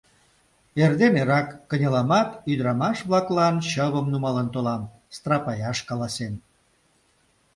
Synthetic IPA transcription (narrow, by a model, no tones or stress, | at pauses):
erd̪eneɾɑkːənʲəlɑmɑt̪yd̪əɾɑmɑʃβlɑklɑnɕəβəmnumɑlənt̪olɑm | st̪rɑpɑjɑʃkɑlɑsen